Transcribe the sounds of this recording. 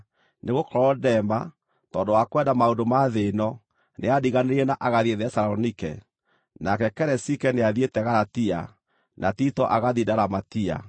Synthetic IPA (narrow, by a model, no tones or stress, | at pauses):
neɣokɔɾɔdɛma | tɔːndowakwɛdamaondomaðenɔ | neadiɣaneɾɛnaʔaɣaðieðɛsaɾɔnikɛ̰ | nakɛkɛɾɛsikɛneaðietɛɣaɾatia̰ | nʔatitɔʔaɣaðidaɾamatia̰